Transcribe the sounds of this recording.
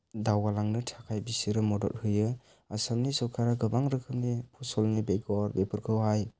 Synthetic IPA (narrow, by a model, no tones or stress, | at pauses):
dawalaŋnɯtʰakʰajbisiɾɯmɔdɔ̰t̚hɯjɯ | asamnisɔkʰaɾaɡɯbaŋɾɯkʰɯp̚nipʰɔsɔlnibejɡɔɾbepʰɯɾkʰɯwɦaj